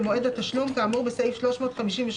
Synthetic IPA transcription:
moʔeːd̪æt̪ːaʃlumkaʕamoʁbesaʔiːfʃloʃmoːt̪xamiʃiːnveʃ

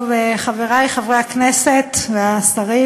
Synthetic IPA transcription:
veχaveʁajχavʁeaknesetveastaʁi

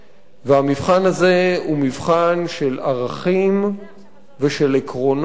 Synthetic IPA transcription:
veamivχanaze̞umivχanʃe̞laʁaχim | veʃe̞lekʁo̞n

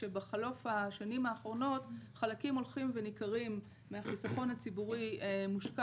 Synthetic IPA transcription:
e̞beχalo̞faʃanimaːχʁo̞no̞tχalakimo̞lχimve̞nikaʁimː | eaχisaχo̞nhat͡sibuʁimuʃka

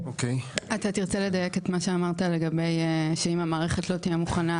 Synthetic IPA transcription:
okejat̪atiʁt͡sele̞dajeket̪maʃeamaʁtale̞ɡabe̞jʃeimamaːʁeχetlot̪ijemuχana

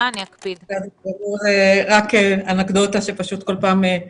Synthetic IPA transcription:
aniakpidkazibaʁuʁeʁakeanakd̪ot̪aʃepaʃut̪kolpaːme

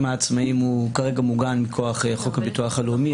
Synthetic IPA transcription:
maːt͡smaimukaʁe̞ɡamuɡanmikʰoaχeχo̞khabituaχalumi

